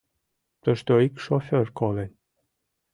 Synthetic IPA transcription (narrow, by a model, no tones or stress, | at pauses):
t̪ə̆ʃt̪øikʃofʲørkolenʲ